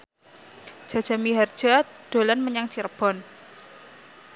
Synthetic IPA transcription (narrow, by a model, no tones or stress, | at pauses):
d̥ʒ̥a̤̥d͡ʒ̥a̤miɦard̥ʒ̥ad̪̥o̤lanməɲaŋt͡ʃirb̥ɔ̤n